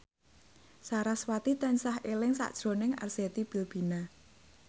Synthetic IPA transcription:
saɾaswat̪it̪ansahʔelɪŋsa̰ʔd̥ʒ̥ɾo̤nɪŋa̰rset̪ib̥ilb̥i̤na

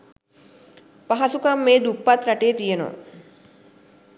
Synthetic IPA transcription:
paɦasukamːeːd̪upːat̪ɾaʈeːt̪ijeno̰

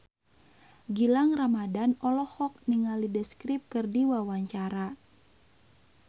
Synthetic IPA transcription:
ɡilaŋramadanɔlɔhɔk̚niŋalidəskɾip̚kɨrdiwawaɲt͡ʃaɾa

